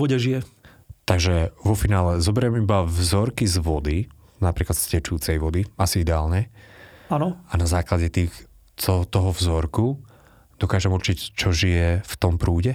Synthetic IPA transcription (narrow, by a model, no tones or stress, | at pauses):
ɔɟɛʒijɛ | t̪aɡʒɛʋɔfinaːlɛzɔbɛɾɛmibavzɔɾkizʋɔd̪i | napɾiːklat̪scɛt͡ʃuːt͡sɛjʋɔd̪iasiid̪ɛaːlɲɛanɔanazaːklaɟɛt̪iːx | ɔt̪ɔɦɔvzɔɾku | d̪̥ɔkaːʒɛmuɾt͡ʃict͡ʃɔʒijɛft̪ɔmpɾuːɟɛ